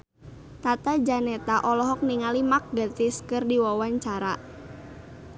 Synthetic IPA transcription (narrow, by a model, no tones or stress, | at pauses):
t̪at̪ad͡ʒanɛt̪aʔɔlɔɦɔk̚niŋalimak̚ɡat̪ɪskɨrdiwawaɲt͡ʃaɾa